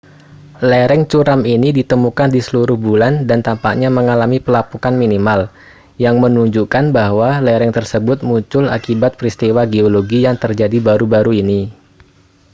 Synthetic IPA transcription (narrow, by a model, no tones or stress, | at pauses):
lɛɾɛŋt͡ʃuɾaminidit̪əmukandisəluɾʊhbulandant̪ampaʔɲaməŋalamipəlapukanminimal | jaŋmənuɲd͡ʒukanbahwalɛɾɛŋt̪ərsəbʊt̪̚muɲt͡ʃʊla̰kibat̪̚pɾist̪iwaɡeoloɡijaŋt̪ərd͡ʒadibaɾubaɾuini